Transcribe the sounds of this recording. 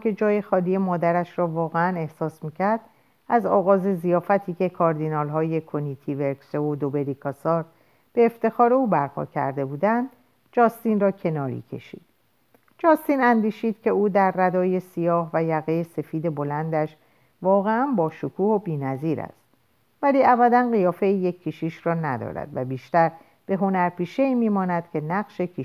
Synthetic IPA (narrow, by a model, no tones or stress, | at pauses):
kʰe̞d͡ʒɒːjexɒːlije̞mɒːd̪æɾæʃrɒːvɒːɣe̞æne̞hsɒːsmiːcʰæɾd̪̥ | æzɒːɣɒːze̞zijɒːfæt̪ʰiːce̞kʰɒːɾd̪inɒːlɦɒːje̞kʰo̞nit̪ʰiveɾkseod̪obe̞ɾikʰɒsɒːɾ | b̥e̞ːft̪e̞xɒːɾe̞uːbæɾpʰɒ̰cʰæ̰ɾd̪e̞buːd̪ænd̪ | d͡ʒɒːst̪inrɒːcʰe̞nɒːɾḭːcʰe̞̰ʃḭːd̪̥ | d͡ʒɒːst̪iːnænd̪iːʃiːd̪̥cʰe̞uːd̪æɾːæd̪ɒːje̞sijɒːhvæjæɣejese̞fiːd̪e̞bo̞lænd̪æʃ | vɒːɣe̞ænbɒːʃokʰuːhobiːnæziːɾæ̰st̪ | væliːæbæd̪ænɣijɒːfe̞iːjecʰːiʃiːʃrɒːnæd̪ɒ̰ːɾæ̰d̪̥væbiːʃt̪æɾ | b̥e̞ɦo̞næɾpiːʃeiːmiːmɒːnæd̪̥cʰe̞næɣʃe̞kʰi